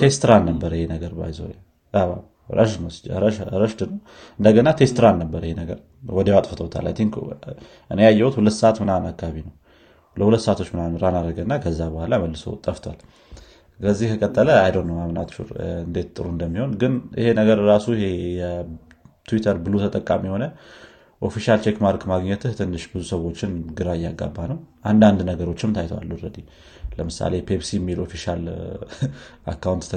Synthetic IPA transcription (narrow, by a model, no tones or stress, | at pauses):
t̪ʰe̞st̪ɾanːəbːəɾjhenəɡəɾba̰jzo̰ɾja | a̰ | ɾə̰ʃnəwsd͡ʒɾəʃɾəʃd̪ɨnəw | ɨnd̪əɡənat̪ʰe̞st̪ɾanːəbːəɾəjihenəɡəɾ | wɔd̪ewat̪ʼfət̪ʰəwt̪ʰa̰lʔa̰jt̪ʰiŋk | ʔɨnejajːɛwut̪hulət̪ːsəat̪mɨnanakːaaβinəw | ləhulət̪ːsəat̪ʰot͡ʃːmɨnanɾanaɾəɡənːakʰəzːabəhʷalaməlːɨsə̰wt̪ʼːəft̪ʰwa̰l | kəzːihkʰəkʼət̪ʼːələajd̪onːəwamnat̪ʃṵɾɨnd̪e̞t̪t̪ʼɨ̰ɾuɨnd̪əmːiho̞nɡɨnʔḭhe̞nəɡəɾɾasuhe̞jɛ | t̪ʰuwit̪ʰəɾbɨlot̪ʰət̪ʼəkʼːamiho̞nə | ʔo̞fiʃalt͡ʃʰekmaɾkmaɡɲɛt̪ʰɨht̪ʰɨnːɨʃbɨzusəwo̞t͡ʃːɪnɡɨɾajːaɡːa̰bːanəwʔand̪and̪nəɡəɾo̞t͡ʃːɪmt̪ʰajt̪ʰəwa̰lːuɾəd̪i | ləmɨsa̰le̞pʰebsimːilo̞fiʃal | a̰kːawunt̪ːʰ